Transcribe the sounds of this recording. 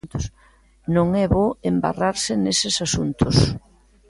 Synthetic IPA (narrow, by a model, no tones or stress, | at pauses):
t̪ʊs | nõŋɛβoemba̰raɾsɪnesɪsasunt̪ʰʊs